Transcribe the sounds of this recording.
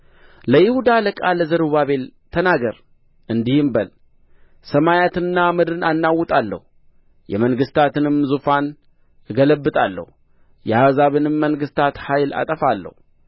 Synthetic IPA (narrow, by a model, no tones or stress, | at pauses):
ləjɪhud̪aləkʼaləzɨɾβaβe̞lt̪ʰənaɡəɾ | ʔɨnd̪ihɨmbəl | səmajat̪ɨnːamɨd̪ɨnanːawːʊt̪ʼalːə̰hu | jɛ̰məŋɡɨst̪ʰat̪ɨnɨmzufan | ɨɡələbːɨt̪ʼalːə̰hu | jɛhazaβɨnɨmːəŋɡɨst̪ʰat̪hajla̰t̪ʼəfalːə̰hu